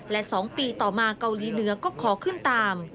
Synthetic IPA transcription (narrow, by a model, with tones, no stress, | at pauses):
lɛ˦˥ʔsɔː˩˦ŋpiː˧t̪ɔː˨˩maː˧ka˧wliː˩˦nɯ˩˦ɐkɔː˥˩kʰɔː˩˦kʰɯ˥˩nt̪aː˧m